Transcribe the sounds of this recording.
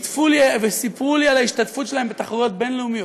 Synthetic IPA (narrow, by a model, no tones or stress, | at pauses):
t̪fulivesipʁulialaiʃtatfutʃelaembet̪aχoʁot̪̚be̞nleumijo